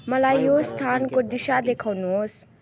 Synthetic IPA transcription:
mʌlajːost̪ʰankod̪iʃad̪ekʰawnuɦos

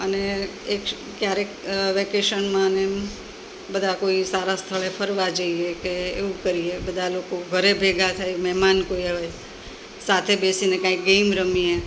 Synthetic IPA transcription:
əneek | kjaɾekʋekeʃənmãne | bəd̪ʱakoisaɾast̪ʰəɭepʰəɾʋad͡ʒəiekeːʋũkəɾiebəd̪ʱalokoɡʱəɾebʱeɡʱat̪ʰajmɛmankoiɦoj | sat̪ʰebesinekãik̚ɡemɾəmie

